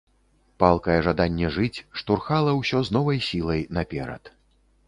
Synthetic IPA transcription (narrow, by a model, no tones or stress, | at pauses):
palˠkɐjɛʐad̪anʲːɛʐɨt͡sʲʂt̪urxalˠɐwsʲɔznɔvɐjsʲilˠɐjnapʲɛɾɐ̰t̪